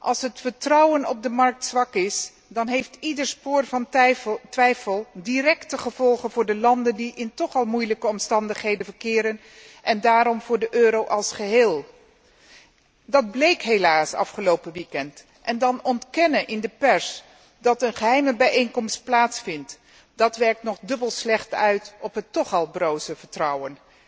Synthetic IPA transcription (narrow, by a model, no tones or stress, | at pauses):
ʔɑ̰lˠsɦətfəɹtrʌwənɔ̰b̚dəmɑɹk̚tsʋɑkɪs | dɑnɦejftidəɹspʊːɹvɑntʋɛjfəlˠdirɛktəχəv̥ɔlˠχənvʊːɹdəlɑndəndiʔɪntɔχɑlˠmujləkəɔmstɑndəχɦejdənvəɹkɪːɾən | ʔɛndaːɾɔmvʊːɹdəʔøːɾowʔɑlˠsχəɦeːlˠ | dɑd̚blejkɦejlaːsɑ̰fχəlowpəʋikɛnt | ʔɛndɑnɔntkɛnəʔɪndəpɛɹs | dɑtənχəɦɛjməbɛjejŋkɔmst̚plaːtsfɪnt | d̥ɑtʋɛɹk̚tnɔχdɵbəlˠslɛχtœɥtɔpɦətːɔχɑlˠbrowzəvəɹtrʌwən